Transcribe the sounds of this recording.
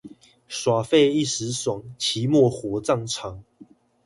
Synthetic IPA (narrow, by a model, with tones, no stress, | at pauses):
swa˨˩fe˥˧i˥˨sɻ̩˨˦swa˨˩˦ŋt͡ɕʰi˨˦mwɔ˥˨xwɔ˨˦t͡sɑ˥˨ŋʈ͡ʂʰɑ˨˦ŋ